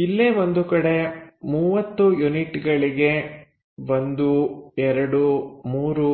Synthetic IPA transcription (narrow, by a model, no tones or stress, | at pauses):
ilːeʋond̪ukɐɽe̞muːʋɐt̪ːujuniʈɡɐɭiɡe̞ | ʋond̪uɛɾɐɽumuːɾu